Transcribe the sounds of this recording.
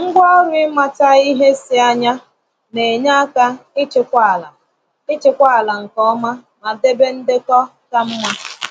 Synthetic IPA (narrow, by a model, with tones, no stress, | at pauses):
ŋ̩˦ɡʷɔ˦ɔ˦ɾʊ˦ɪ˦ma˦ta˦i˦ɦe˦sɪ˦a˦ɲa˦ | ne˨ɲa˦ka˦ɪ˦t͡ʃɪ˨kʷa˦˨la˨ | ɪ˦t͡ʃɪ˦kʷa˦a˨la˨ŋ̩˨kɔ˦ma˦ma˨de˦be˦n̩˦dɪ˦kɔ˦ta˦m̩˦ma˦